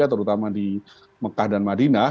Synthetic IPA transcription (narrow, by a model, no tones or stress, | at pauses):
at̪əɾut̪amadi | məkahdanmadina